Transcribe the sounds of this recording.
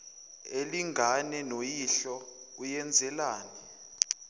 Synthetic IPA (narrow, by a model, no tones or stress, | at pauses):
eliŋɡʱanɛnojiɬɔ | kujɛnd͡zʱɛlaːnɛ